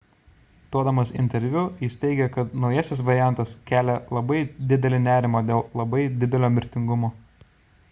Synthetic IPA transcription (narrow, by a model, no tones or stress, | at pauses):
t̪uɔd̪ɐmɐsɪ̰nʲt̪ʲɛɾʲʋʲʊjɪst̪ʲɛɪɡʲɛkɐt̪nɒʊjɛsʲɪs̬ʋɐɾʲɪjæˑnˑt̪ɐskʲæːlʲɛlˠɐbɐɪd̪ʲɪd̪ʲɛlʲɪnʲæːɾʲɪmoːd̪ʲeːlˠlˠɐbɐɪd̪ʲɪd̪ʲɛlʲoːmʲɪɾʲt̪ʲɪŋɡʊmoː